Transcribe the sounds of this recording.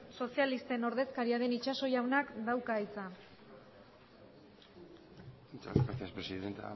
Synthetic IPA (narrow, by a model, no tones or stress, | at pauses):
so̞sialist̪e̞no̞ɾðe̞skaɾiaðe̞nit͡ʃaso̞jawnakd̪awkaijt͡sa | it͡sapaθiaspɾesiðent̪a̰